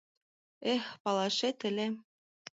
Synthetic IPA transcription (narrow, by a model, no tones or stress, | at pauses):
expɑlɑʃet̪ɘ̆lʲe